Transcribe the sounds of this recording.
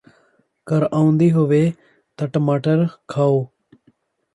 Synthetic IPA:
kəɾaːũnd̪iːɦʊʋeː | t̪əʈmaːʈəɾkʰaːoː

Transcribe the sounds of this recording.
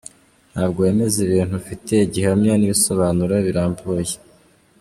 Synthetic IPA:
nhaːb̚ɡoeme̞ziβiːn̥hufite̞iɟihamɲaniβiso̞βaːnuɾaβiɾaːmboje

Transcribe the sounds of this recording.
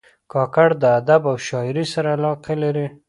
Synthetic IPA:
kɑkaɽd̪əad̪abawʃɑɪɾisaɾaːlɑqelaɾi

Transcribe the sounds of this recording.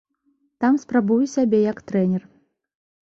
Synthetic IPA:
t̪amspɾabujusʲabʲɛjɐkt̪ɾɛnʲɛr

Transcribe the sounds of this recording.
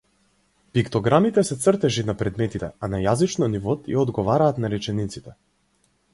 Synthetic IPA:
pikt̪ɔɡɾamit̪ɛsɛt̪srt̪ɛʒinapɾɛd̪mɛt̪it̪ɛ̰anajazit͡ʃnɔnivɔt̪jaɔd̪ɡɔvaɾaːt̪naɾɛt͡ʃɛnit̪sit̪ɛ

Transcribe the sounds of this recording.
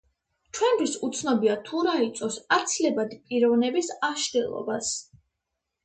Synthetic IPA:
t͡ʃʰwɛnd̪ʰisut̪sʰnɔbiat̪ʰuɾait̪sʼɔsat̪sʰilɛbad̪ipʼiɾɔvnɛbisaʃd̪ɛlˠɔ̰bas

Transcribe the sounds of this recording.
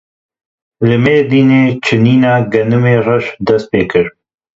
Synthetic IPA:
lɨmeːd̪iːneːt͡ʃʰɨniːnaːɡɐnɨmeːrɐʃd̪ɐst̪̚peːkɨɾ

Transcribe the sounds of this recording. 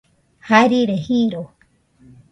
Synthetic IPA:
haɾiɾehĩɾo

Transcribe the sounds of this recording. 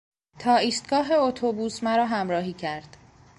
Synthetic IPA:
t̪ʰɒːiːst̪̚ɡɒːɦe̞ot̪ʰobuːsmæɾɒːɦæmɾɒːɦiːcʰæɾd̪̥

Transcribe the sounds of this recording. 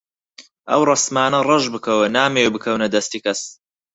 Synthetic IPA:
ʔɐwrˤɨsmaːnɐrˤɨʒbɨkʰɐwɐnaːmeːwbɨkʰɐwnɐd̪ɐst̪iːkʰɐs

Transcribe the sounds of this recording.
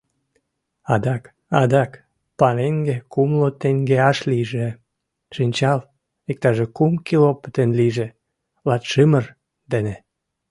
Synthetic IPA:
ɑd̪ɑk | ɑd̪ɑk | pɑneŋɡekumlot̪eŋɡeɑʃliʒe | ʃinʲt͡ɕɑl | ik̚t̪ɑʒekumkilopət̪enliʒe | lɑt̪ʃɨmər | d̪ene

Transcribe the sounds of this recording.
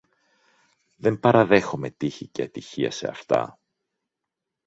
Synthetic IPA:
ðempɐɾɐðe̞xo̞met̪içiceɐt̪içiɐ̰se̞̰ɐ̰ft̪ɐ̰

